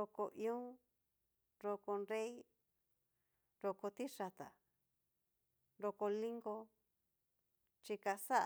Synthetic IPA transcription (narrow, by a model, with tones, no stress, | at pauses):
o˧ko˧ʔĩ˧õ˦ | ɾo˧ko˧nɾe˦i˦ | ɾo˧ko˧t̪i˦ʂa˧t̪a˨ | ɾo˧ko˧lĩ˦ŋɡo˧ | t͡ʃi˧ka˧sa˦ʔ